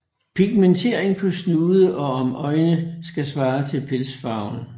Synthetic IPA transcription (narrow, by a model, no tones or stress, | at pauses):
pʰiɡ̥̚ment͡sʰe̝ɐ̰eŋpʰɒ̽snuːðˠəʔɒ̽ɒmʔɒ̽ɪnəsɡ̥æsʋɑ̈ːt͡sʰe̝lpʰelsfɑ̈ʊn